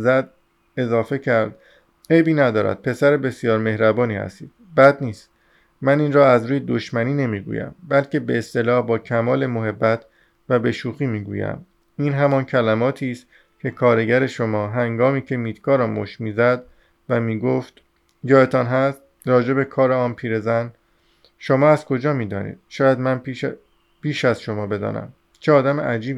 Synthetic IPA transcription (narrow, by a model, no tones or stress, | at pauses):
zæd̪̚ | e̞zɒːfe̞cʰæɾd̪ | e̞jbiːnæd̪ɒːɾæ̰d̪̥̚pʰe̞sæɾebe̞sijɒːɾme̞hɾæbɒːniːhæ̰st̪iːd̪̥̚bæd̪niːst̪ | mæniːnrɒːæzɾuːjed̪o̞ʃmæniːne̞miːɡṵjæ̰mbælcʰe̞be̞ːst̪e̞lɒːhbɒːcʰæmɒːle̞moɦe̞bːæt̪ʰ | væbe̞ʃuːxiːmiːɡṵːjæ̰m | iːnɦæmɒːncʰælæmɒːt̪ʰiːst̪ | cʰe̞kʰɒːɾe̞ɟæɾe̞ʃo̞mɒːɦæŋɡɒːmiːcʰe̞miːt̪kɒːɾɒmo̰ʃmiːzæd̪ | væmiːɡoft̪ | jɒːet̪ʰɒnɦæst̪ | ɾɒːd͡ʒe̞be̞kʰɒːɾeɒːnpʰiːɾe̞zæn | ʃo̞mɒːæzkʰo̞d͡ʒɒːmiːd̪ɒ̰ːnḭːd̪̥ʃɒːjæd̪mæn | piːʃæzʃo̞mɒːbe̞d̪ɒ̰ːnæ̰m | t͡ʃʰeɒːd̪æmḛʔæd͡ʒiːb